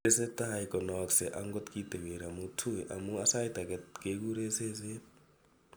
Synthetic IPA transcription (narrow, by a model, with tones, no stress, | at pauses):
ese˦ta˦ikɔ˨nɔksɛʔaŋɡɔtki˦dʱe˨we˨ɾa˨mutʰu˦ɛʔa˨mu˦a˦sa˦i˦ta˨kekek̬uɾese˦se˦